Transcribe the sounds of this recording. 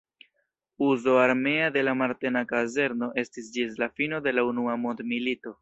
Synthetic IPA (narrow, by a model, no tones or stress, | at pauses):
uzo̞aɾme̞ade̞lamaɾte̞nakaze̞ɾno̞ʔe̞stisd͡ʒis̬lafino̞de̞launuamondmilito̞